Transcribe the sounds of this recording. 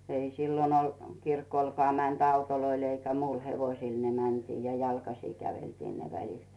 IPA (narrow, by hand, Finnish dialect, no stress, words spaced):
ei silːon ol kirkolkŏɑˑ mænt ɑutoloil eikæ muil heʋoĭsil ne mæntiː jɑ jɑlkɑsiˑ kæʋeltiː ne ʋælit